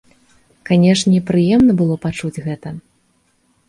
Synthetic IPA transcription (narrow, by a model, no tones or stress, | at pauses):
kanʲɛʂnʲɛipɾɨjɛmnɐbɨlˠɔpat͡ʂud͡zʲɣɛt̪ɐ